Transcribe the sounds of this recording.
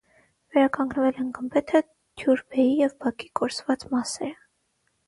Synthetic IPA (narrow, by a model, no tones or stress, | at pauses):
vɛɾɑkɑŋɡnvɛlɛnɡəmbɛt̪ʰə | d̪ʰjuɾbɛjijɛvbɑkikɔɾt͡svɑt͡smɑsɛɾə